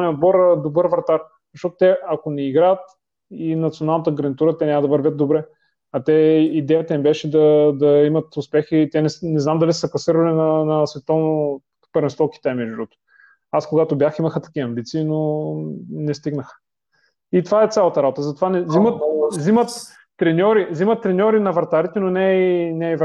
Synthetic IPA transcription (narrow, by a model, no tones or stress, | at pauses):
anɛod̪̚bɔɾd̪obɤɾvɾt̪aɾ | zɐʃt̪ɔt̪ʊ̥t̪ɛɐkonɛiɡɾaət̪ | inɐt̪sionalˠnət̪əɡɾɐnit̪uɾət̪ɛnʲaməd̪ɐvɐɾvʲət̪̚d̪obɾɛ | ɐt̪ɛid̪ɛjət̪ɐnibɛʃɛd̪ɐd̪ɐimət̪ʊspɛxit̪ɛnɛsnɛznamd̪ɐlissəklˠɐsiɾəlinɐnɐsvɛt̪ɔvno | pəɾvɛnst̪ɔki̥t̪ɛmɛʒɾɔt̪o̥ | askoɡat̪objaximəxət̪ɐ̥kiəɐmbit̪siːno | nɛst̪iɡnəxə̥ | it̪ovaɛt̪sʲalˠət̪əɾabot̪əzɐt̪ovanɛzimət̪zimət̪ː | ɾɛnʲɔɾizimət̪ːɾɛnʲɔɾinɐvɾt̪aɾit̪ɛnonɛinɛv